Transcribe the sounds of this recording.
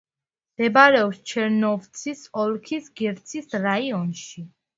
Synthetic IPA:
d̪̥ɛbaɾɛɔpst͡ʃʰɛɾnɔvt̪sʰisɔlˠkʰisɡɛɾt̪sʰisɾaiɔnʃi

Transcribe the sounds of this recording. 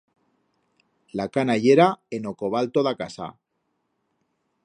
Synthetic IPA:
lakanaʝeɾaenokoβ̞alt̪oðakasa̰

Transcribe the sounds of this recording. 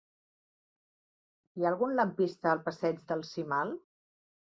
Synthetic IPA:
iaəlˠɣunləmpist̪əːlˠpəsɛd͡ʒðəlˠsimalˠ

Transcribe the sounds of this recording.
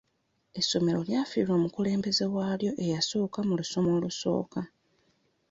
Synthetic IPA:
e̞sːo̞me̞ɾo̞ljafiilomukule̞ːmbe̞ze̞waːljo̞ʔe̞jaso̞ːkamuluso̞moːluso̞̰ːka

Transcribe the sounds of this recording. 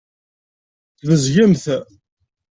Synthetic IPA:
θvəzʝəmθ

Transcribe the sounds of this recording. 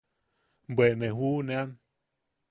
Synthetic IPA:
bwenẽɦunẽan

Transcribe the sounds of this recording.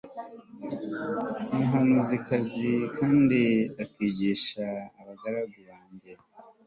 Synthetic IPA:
muɦanuzikazikʰaːndiakiːɟiːʃaːβaɡaɾaɡuβaːɲɟe̞

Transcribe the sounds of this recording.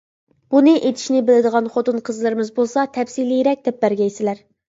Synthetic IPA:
b̥unɨʔet̪ʰɪ̥ʃnɪbɪlɪd̪əʁɑnχot̪unqʰəzlˠɨɾɨmɨzbolˠsɑt̪ʰɛfsilijɾɛk̚ʲd̪ɛp̚bæɾɡʲɛjsɪlæɾ

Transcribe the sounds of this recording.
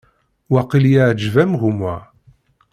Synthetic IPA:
wɑqiljaʕd͡ʒvæmɣumæ

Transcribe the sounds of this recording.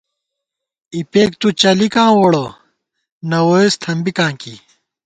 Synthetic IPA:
ipeːkt̪ut͡ɕɐlikãːwoɽo | nɐwoest̪ʰɐmbikãːkḭ

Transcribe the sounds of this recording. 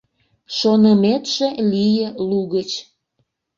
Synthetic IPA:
ʃonəmet̪ʒelijəluɣət͡ɕ

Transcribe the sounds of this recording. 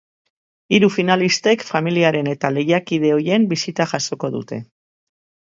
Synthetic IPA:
iɾufinalist̪e̞kfamiliaɾe̞ne̞t̪ale̞jakiðe̞o̞je̞mbisit̪aʝaso̞ko̞ðṵt̪e̞̰

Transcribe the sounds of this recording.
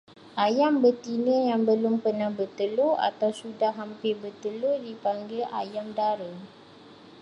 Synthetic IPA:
ʔajambərt̪inəjaŋbəlʊmpərnahbərt̪əloa̰t̪awsudahɦɦampɪrbərt̪əlodipaŋɡəlʔa̰jamdaɾə

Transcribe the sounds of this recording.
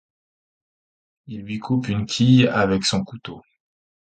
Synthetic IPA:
ilɥikʰupynkʲʰijavɛksɔ̃kut̪o

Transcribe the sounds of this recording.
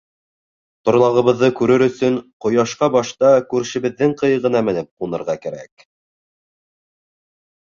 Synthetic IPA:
t̪ŏɾlˠɑʁɤ̆βɤ̆ðːɤkʉɾɘɾɵ̆sɵnqŏjɑʃqɑbɑʃt̪ɑkʉɾʃɘ̆βɘ̆ðːɘŋqɤ̆jɤ̆ʁɤ̆nɑmɘ̆nɘp̚qunɤ̆ɾʁɑkæɾæ̰k

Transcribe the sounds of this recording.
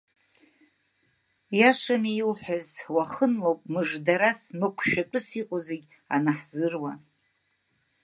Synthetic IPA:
jaʂamiiwħʷazwaχənlowpʼmɨʐdaɾasmɨkʷʰʃᶣatʷʼɨsiqʼozeɡʲ | a̰naħz̥ɨrwa

